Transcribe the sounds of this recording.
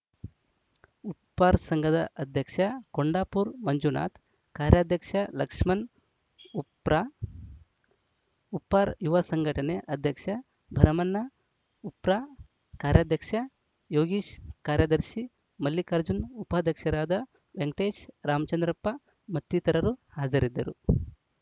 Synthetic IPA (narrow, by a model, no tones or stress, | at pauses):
upːaːɾsɐŋɡʱɐd̪ɐʔɐd̪ʱjɐkʂɐkoɳɖaːpuɾmɐɲd͡ʒuna̰ːt̪ | kaːɾjaːd̪ʱjɐkʂɐlɐkʂmɐn | upɾa | upːaːɾjuʋɐsɐŋɡʱɐʈɐneʔɐd̪ʱjɐkʂɐ | bʱɐɾɐmɐnːɐ | upɾaː | kaːɾjaːd̪ʱjɐkʂɐ | joːɡiːʃkaːɾjɐd̪ɐɾʃi | mɐljikɐɾd͡ʒunupaːd̪ʱjɐkʂɐɾaːd̪ɐ | ʋeŋʈeːʃɾaːmɐt͡ʃɐnd̪ɾɐpːɐ | mɐt̪ːit̪ɐɾɐɾuhaːd͡ʒɐɾid̪ːɐ̰ɾu